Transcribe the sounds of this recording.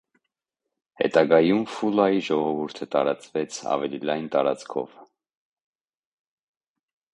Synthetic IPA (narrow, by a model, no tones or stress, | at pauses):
hɛ̰t̪ɑɡɑjumfulɑjiʒɔʁɔvuɾt̪ʰət̪ɑɾɑt͡svɛt͡sʰɑ̰vɛlilɑjnt̪ɑɾɑt͡skʰɔ̰v